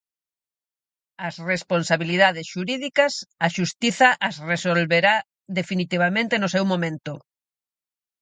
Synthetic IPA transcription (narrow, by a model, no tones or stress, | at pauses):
ɐsresponsaβiliðaðesʃuɾiðikɐsaʃust̪iθɐʔasresolβeɾa | ðefinit̪iβ̞amẽnt̪enosɛwmomẽnt̪ʊ